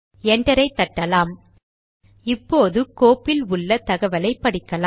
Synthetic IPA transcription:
ɛɳɖɐɾɐɪt̪ːɐʈːɐlaːm | ɪpːoːðɯkoːpːɪlʊɭːɐt̪ɐɣɐʋɐlɐɪpːɐɽɪkːɐlaː

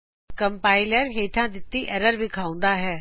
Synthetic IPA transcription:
kɐ̃mpaːɪləɾɦeːʈʰãd̪ɪt̪ːiʔɛːɾəɾbɪkʰaːʊ̃n̆d̪aɦɛː

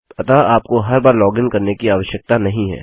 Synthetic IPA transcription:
ɐt̪aaːp̚koɦɐɾbaːɾlɔːɡɪ̃ŋkɐɾnekiaːʋəʃjək̚t̪anɐɦĩɦɛ̰ː

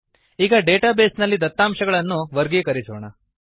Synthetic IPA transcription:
iːɡɐɖeːʈaːbeːsnɐlːid̪ɐt̪ːaːmʃɐɡɐɭɐnːuʋɐɾɡekɐɾisoːɳɐ

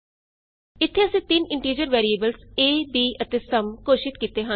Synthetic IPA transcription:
ɪt̪ʰːeːəsẽːt̪ɪnɪ̃ɳʈiːd͡ʒəɾʋɛːɾieːbəlseːbiːʔət̪eːsəmkoːʃɪt̪kiːt̪eːɦə

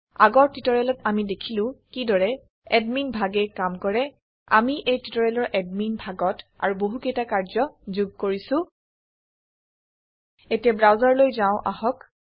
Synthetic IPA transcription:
a̰ɡɔɹtitɔɹɛlɔtamidekʰilʊ̃kidɔɹɛ | ɛdminbʱaɡɛkamkɔɹɛ | a̰miʔejtitɔɹɛlɔɹʔɛdminbʱaɡɔta̰ɹuboɦukejtakaɹzɔzuɡ̚koɹisʊ̃ | etijabɹawzaɹlojzaʊ̃ʔahɔk

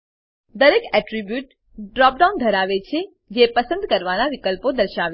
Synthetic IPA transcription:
d̪əɾekɛʈɾibjuʈ | ɖɾɔp̚ɖawnd̪ʱəɾaʋet͡ʃʰe | d͡ʒepəsə̃nd̪kəɾʋanaʋikəlpod̪əɾʃaʋe

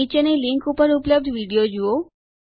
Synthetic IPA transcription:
it͡ʃeneliŋkupəɾupləb̚d̪ʱʋiɽijod͡ʒuo

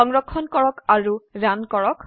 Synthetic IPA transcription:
ɔŋɹɔkʰːɔnkɔɭɔkaɹuɹankɔɭɔk

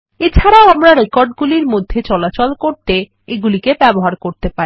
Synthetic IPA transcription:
et͡ɕʰaɾaoamɾaɾekɔɾɖɡuliɾmod̪ʱːet͡ɕɔlat͡ɕolkoɾt̪e | eɡulikebɛboɦaɾkoɾt̪epaɾi

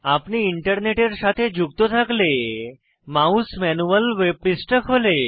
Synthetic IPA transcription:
apniiɳʈəɾneʈeɾsat̪ʰed͡ʑʱuk̚t̪ot̪ʰakle | mausmɛnuʋəlʋeb̚ɾisʈəkʰole

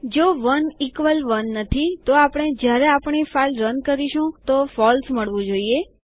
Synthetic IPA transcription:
d͡ʒoʋənikʋəlʋənːət̪ʰit̪oapəɽ̃ed͡ʒjaɾɛapɳ̃ifailɾənkəɾiʃũt̪ofɔlsməɭʋũd͡ʒoie

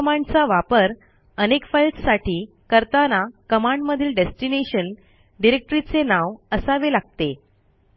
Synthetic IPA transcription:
mãɳɖt͡saʋapəɾ | ənekfajlʈsaʈiː | kəɾt̪anakəmãɳɖməd̪ʱiːlɖesʈineɕən | ɖiɾek̚ʈɾit͡senaʋəsaʋelaɡ̚t̪e

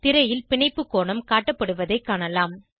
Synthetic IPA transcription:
t̪ɪɾɐjɪlpɪɳɐɪpːɯkːoːɳɐmkaːʈːɐpːɐɽɯʋɐðɐɪkːaːɳɐlaːm

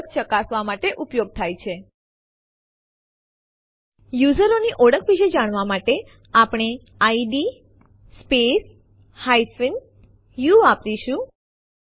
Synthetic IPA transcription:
kt͡ʃəkasʋamaʈeʔupjoɡ̚t̪ʰajt͡ʃʰe | juzəɾoniʔɔɽəkʰʋiʃed͡ʒaɽ̃ʋamaʈe | apɽ̃e | aiɖi | spes | hajfin | juapɾiʃũ

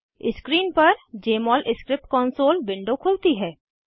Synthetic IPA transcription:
ɪskɾiːnpɐɾd͡ʒeːmɔːlʔɪskɾɪp̚ʈ̚kɔːnsoːlbɪ̃ɳɖokʰʊlt̪iɦɛː

